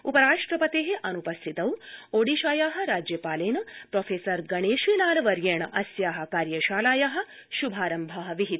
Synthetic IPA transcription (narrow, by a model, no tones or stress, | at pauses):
upɐɾaːʂʈɾɐpɐt̪eːɦeʔɐnupɐst̪ʰit̪ɐwoːɽiːʃaːjaːɦɐ̆ɾaːd͡ʒjɐpaːleːnɐpɾoːfʰeːsɐɾɡɐɳeːʃʋiːnaːlɐʋɐɾjeːɳɐ̰ʔɐsjaːɦɐ̆kaːɾjɐʃaːlaːjaɦɐ̆ | ʃubʱaːɾɐmbʱɐɦɐʋiɦit̪